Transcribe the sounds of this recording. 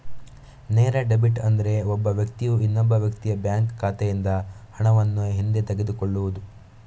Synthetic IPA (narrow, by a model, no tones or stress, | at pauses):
neːɾɐɖebiʈɐnd̪ɐɾe̞ɔbːɐʋjɐkt̪ijuinːɔbːɐʋjɐkt̪ijɐbjaːŋkːʰaːt̪ejind̪ɐhɐɳɐʋɐnːuɦind̪et̪eɡe̞d̪ukoɭːuʋud̪u